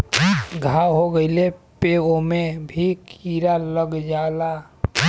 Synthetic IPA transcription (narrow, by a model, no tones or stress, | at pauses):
ɡʱaɦoɡəɪle | peomẽbʱikʰiːɾaləɡd͡ʒaːla